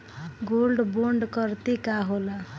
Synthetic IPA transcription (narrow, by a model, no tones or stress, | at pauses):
ɡolɖboɳɖkʌɾt̪ikaɦola